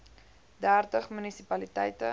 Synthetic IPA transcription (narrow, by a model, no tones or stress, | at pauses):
dæːrtəχmynisipɐlitɛjtə